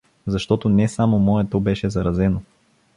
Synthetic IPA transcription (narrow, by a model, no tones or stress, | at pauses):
zɐʃt̪ɔt̪onɛsamomɔɛt̪obɛʃɛzɐɾɐzɛno